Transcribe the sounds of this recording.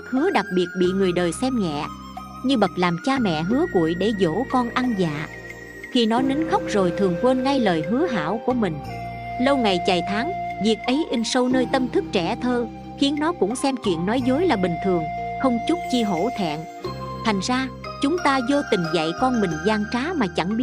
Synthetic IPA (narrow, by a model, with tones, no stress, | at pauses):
k̚hɨ˨˦əɗa˨˩k̚ɓi˨˩ət̚ɓḭ˧˨ŋɨ˨˩əjɗəː˨˩jsɛ˧mŋɛ̰˧˨ | ɲɨ˧ɓə˨˩t̚laː˨˩mt͡ɕaː˧mɛ̰˧˨ɦɨ˨˦əkṵ˧˨jɗe˧˩zo̰˧˥kɔ˧nʔa˧ŋza̰ː˧˨ | xi˧nɔ˨˦ni˨˦ŋxə˦˥wk͡p̚zo˨˩jt̪ʰɨ˨˩əŋkwe˧nŋa˧jləː˨˩jɦɨ˨˦əɦa̰ː˧˩wku˧˩əmï˨˩ŋ̟ | lə˧wŋa˨˩jt͡ɕa˨˩jt̪ʰa˨˦ŋvi˨˩ək̚ʔə˨˦jʔi˧ŋ̟sə˧wnəː˧jt̪ə˧mt̪ʰɨ˦˥k̚t͡ɕɛ˧˩t̪ʰəː˧ | xi˨˦ənːɔ˨˦kʊ̰˧˥ŋ͡msɛ˧mt͡ɕwḭ˧˨ənːɔ˨˦jzo˨˦jlaː˨˩ɓï˨˩ŋ̟t̪ʰɨ˨˩əŋxə˧wŋ͡mt͡ɕu˦˥t̚t͡ɕi˧ɦo̰˧˩˥t̪ʰɛ̰˧˨n | t̪ʰa˨˩jŋ̟zaː˧ | t͡ɕʊ˨˦ŋ͡mt̪aː˧zo˧t̪ï˨˩ŋ̟za̰˧˨jkɔ˧nmï˨˩ŋ̟zaː˧ŋt͡ɕaː˨˦maː˨˩t͡ɕa˧˩ŋɓi˦ə